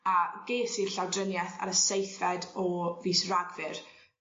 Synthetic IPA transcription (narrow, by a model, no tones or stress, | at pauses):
aɡ̥eːsir̥ɬawdrənjɛθa̰ɾəsejθvɛdɔviːsraɡvɨr